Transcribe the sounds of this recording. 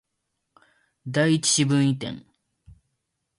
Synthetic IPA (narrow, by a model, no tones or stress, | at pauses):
d̪aiit͡ɕi̥ɕibɯ̃ɰ̃it̪ḛ̃ŋ